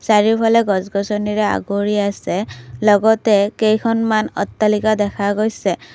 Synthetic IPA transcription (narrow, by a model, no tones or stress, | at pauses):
saɹipʰalɛɡɔzɡɔsɔniɹɛa̰ɡoɹiasɛlɔɡɔtɛkejkʰɔnmanɔ̰tːalikadɛkʰaɡojsɛ